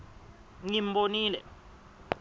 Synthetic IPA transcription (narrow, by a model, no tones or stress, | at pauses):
ŋim̩boniːlɛ̰